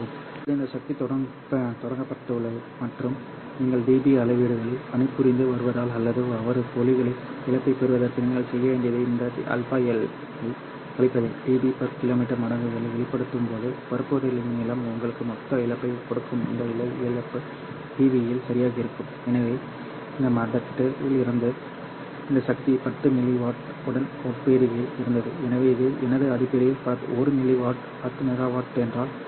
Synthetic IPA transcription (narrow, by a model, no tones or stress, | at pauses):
ɯm | ɐðɯɪnd̪ɐsɐk̚t̪it̪ɔɽɐŋ | t̪ɔɽɐŋɡɐpːɐʈːɐʊɭɐʋɯmɐʈrɯm | niːŋɡɐɭɖiːbiɐlɐɪʋiːɽɯɣɐɭɪlɐnɪpːɯɾɪnd̪ɯʋɐɾɯʋɐðaːlɐlːɐðɯɐʋɐɾɯkɔlɪɣɐɭɪɪɭɐpːɐɪpɛɾɯʋɐðɐrkɯniːŋɡɐɭsɛjːɐʋeːɳɖɪɐðɯɪnd̪ɐḭʔɐ̰lpaːɐl | ɐɪ | kɐɭɪpːɐðɐɖiːbipɐɾkɪloːmiːʈːɐɾmɐɽɐŋɡɯɣɐɭɐʋɛɭɪpːɐɽɯt̪ːɯmpoːðɯpɐɾɯpːʋɐðɐlɪnɯmɛlːaːmʊŋɡɐɭɯkːɯmɔt̪ːɐɪlɐpːɐɪkɔɽɯkːɯmɪ̰nd̪ɐjɪlɐɛlɐpːɯ | ʈiːʋijɪlsɐɾɪjaːɣɐɪɾɯkːɯm | ɛnɐʋeː | ɪnɐmɐɖɐʈːɪlɪɾɯnd̪ɯ | ɪnd̪ɐsɐk̚t̪ipɐt̪ːɯmɪlːiʋaːʈ | ʊɽɐnɔʈpeːɾɯjɪlɪɾɯnd̪ɐðɯɛnɐʋeːɪðɯʔɛnɐðɯɐðɪpːɐɾɪjɪlpat̪ɯ̰ɔɾɯnɪlːiʋaːʈ | pɐt̪ːɯmɛɣaːʋaːʈɛndraːl